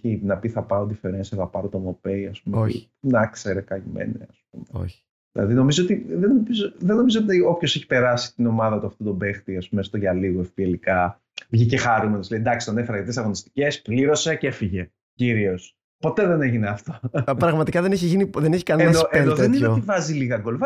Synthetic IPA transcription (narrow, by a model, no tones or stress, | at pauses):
inɐpiθɐpɐɾot̪ifeɾensɐθɐpɐɾot̪omopeiɐspumeḭ | nɐkseɾekɐʝimḛnḛɐsp̚umeo̰ | ðilɐ̰ðino̞mizoot̪iðenomizoðeno̞mizoot̪io̞pço̞seçi̥pe̞ɾɐsi̥t̪ino̞mɐðɐot̪ɐft̪ot̪o̞be̞xt̪iɐspumest̪oʝɐliɣoefpielikɐ | vʝice̞xɐɾumenosleid̪ɐksi̥t̪ɐnefeɾɐʝɐt̪iesɐɣo̞nist̪i̥ce̞spliɾo̞se̞cefiʝe̞ | ciɾio̞s | po̞t̪eðe̞ne̞ʝineɐft̪o̞pɾɐɣmɐt̪ikɐðeneçiʝiniðeneçi̥kɐneennoenoðenineeot̪ivɐziliɣɐɡo̞lvɐ